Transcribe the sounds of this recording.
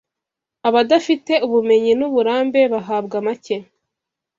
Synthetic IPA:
aβadafite̞uβume̞ɲinuβuɾaːmbe̞βaɦaːbɡamace

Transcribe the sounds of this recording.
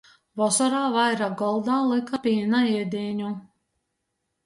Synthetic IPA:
vɔsɔɾaːvajɾaɡɔlˠd̪aːlˠɨkapinaɛd̪iːɲu

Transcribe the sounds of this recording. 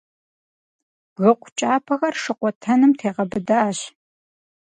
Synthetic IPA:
bɣɨqʷʊt͡ʃʼaːpʰɐxɐrʂɨqʷɔtʰɐnɨmtʰeːʁɐbɨdaːɕ

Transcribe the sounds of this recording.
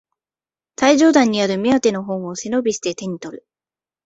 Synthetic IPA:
saiʑo̞ːd̪ãɲ̟ːiaɾɯ̟mʲiat̪e̞no̞ɦo̞ːɰ̃o̞se̞no̞bʲiɕi̥t̪e̞t̪e̞ɲ̟it̪o̞ɾɯ̟

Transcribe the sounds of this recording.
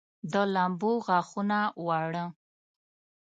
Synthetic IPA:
d̪əlamboɣaxunawaɽə

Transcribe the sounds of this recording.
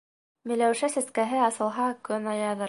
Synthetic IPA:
mɘ̆læwʃæsæskæɦɘɑsɤ̆lˠɦɑkɵnɑjɑðɤɾ

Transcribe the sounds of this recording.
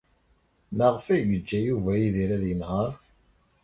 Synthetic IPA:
məʁfæʝəd͡ʒːæjuvæjiðiɾæðjənhɑɾˤ

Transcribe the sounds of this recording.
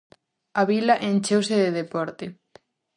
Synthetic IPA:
aβilaʔent͡ʃewseðeðepɔɾt̪e

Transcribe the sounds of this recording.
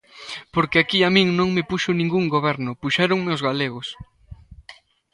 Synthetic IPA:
poɾkeakiamĩŋnõŋmɪpuʃʊnĩŋɡuŋɡoβɛɾnʊpuʃɛɾʊŋmeʊzɣaleɣʊs

